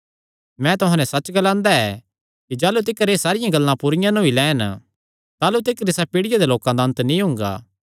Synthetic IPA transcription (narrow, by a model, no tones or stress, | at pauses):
mɛ̃t̪ʊɦãnɛsɐt͡ʃɡɐlãːnd̪aɛ | kid͡ʒaːlut̪̬ɪkəɾesaːɾɪjãɡɐlːãpʊɾɪjãnoːilɛːn | t̪aːlut̪̬ɪkɾɪsapiːɽɪjad̪eloːkãd̪aɐ̃nt̪nĩɦʊ̃ŋ̆ɡa̰ː